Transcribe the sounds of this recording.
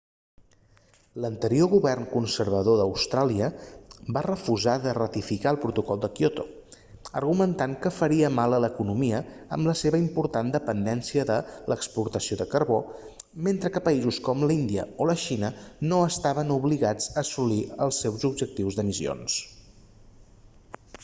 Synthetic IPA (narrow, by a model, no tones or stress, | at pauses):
lənt̪əɾioɣuβɛrnkunsəɾβəðoðəwst̪ɾaliəbarəfuzaðərət̪ifikaəlˠpɾut̪ukɔlˠd̪əkjot̪o̰ | ə̰rɣumənt̪aŋkəfəɾiəmalˠələkunumiəə̰mləseβəimpuɾt̪and̪əpənd̪ɛnsiəðələkspuɾt̪əsioðəkəɾβo | ment̪ɾəkəpəizuskɔmləind̪iə̰oləʃinənoəst̪aβənuβliɣad͡zəːsuliəlˠsːewzubd͡ʒək̚t̪iwzðəmisio̰ns